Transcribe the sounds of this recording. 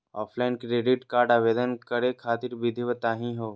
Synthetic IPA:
ɔːpʰlaːɪnkɾeːɖɪʈkaːɾɖaːʋeːd̪ənkəɾekʰaːt̪ɪɾbid̪ʱiʋət̪aːɦĩɦoː

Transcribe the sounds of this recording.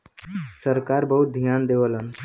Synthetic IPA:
səɾkaɾbəɦut̪̚d̪ʱjand̪eʋələn

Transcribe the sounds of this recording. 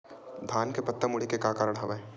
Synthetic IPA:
d̪ʱaːnkepɐt̪ːəmʊɽikekaːkaːɾəɽ̃ɦɐʋae

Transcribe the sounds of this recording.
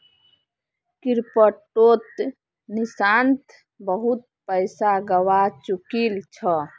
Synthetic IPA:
kiɾpəʈːot̪ | nisant̪ | bəɦut̪̚pəɪsaɡəwat͡ʃukilt͡ʃʰə

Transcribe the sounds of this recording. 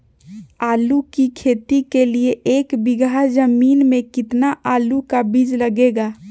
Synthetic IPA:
aːlukikʰeːt̪ikelieʔeːkbɪɡʱad͡ʒəmiːnmẽkɪt̪naʔaːlukabid͡ʒləɡeɡaː

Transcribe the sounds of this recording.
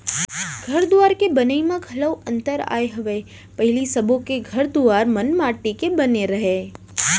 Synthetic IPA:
ɡʱəɾd̪uʋaɾkebənəimãɡʱələwə̃nt̪əɾa̰eɦəʋe | pəɦɪlisəbʱokeɡʱəɾd̪uaɾmənmaʈːikebəneɾəɦe

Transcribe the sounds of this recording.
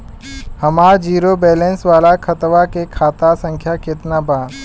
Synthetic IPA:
hɐmaːɾd͡ʒiːɾobɛːlẽnsʋaːlakʰɐt̪ʋakekʰaːt̪asə̃ŋkʰjakɪt̪nabaː

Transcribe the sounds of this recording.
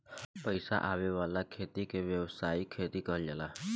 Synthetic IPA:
pəjsa̰ʔaʋeʋalakʰet̪ikeʋjəʋsaikʰːet̪ikəəld͡ʒala

